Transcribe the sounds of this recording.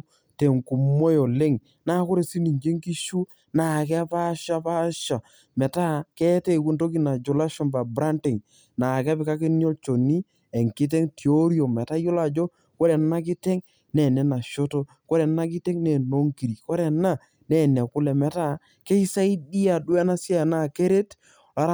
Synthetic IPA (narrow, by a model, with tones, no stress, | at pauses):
te˨ŋku˨mo˦jo˨lɪ˦ŋ | na˦kʊ˦ɾe˨si˦ni˨ɲd͡ʒe˦ŋki˦ʃu˦ | na˨kɛ˦a˦pa˦ʃa˦pa˦ʃa˨ | mɛ˨ta˦kɛ˦tɛ˦˨ku˦nto˦ki˦na˨d͡ʒo˨la˦ʃɔ˦npa˨bɾa˦nti˨ŋ | na˨ka˦pɪ˨ka˦ki˦njo˦lt͡ʃo˨ni˦ | ɛ˨ŋkɪ˦t̬ɛ˦ŋti˨o˦ɾjo˨mɛ˨ta˦jo˦la˨d͡ʒo˦ | ko˦ɾɛ˨na˦kɪ˦tɛ˦ŋ | nɛ˨nɛ˦na˨ʃo˦to˦ | ko˦ɾɛ˨na˦kɪ˦tɛ˦ŋnɛ˨no˦ŋki˨ɾi˨kɔ˦ɾɛ˨na˦˨ | nɛ˨nɛ˨kʊ˦lɛ˨mɛ˨ta˦˨ | kɛ˦i˦sa˦i˦di˦a˨dwɛ˦na˦sja˦˨na˦˨ke˦ɾe˦t | a˨˦ɾ